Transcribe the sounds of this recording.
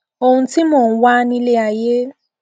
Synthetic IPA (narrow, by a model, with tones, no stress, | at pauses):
o˨ũ˨n˦ti˦mo˨ŋ̩˨wa˦ni˦le˦a˨je˦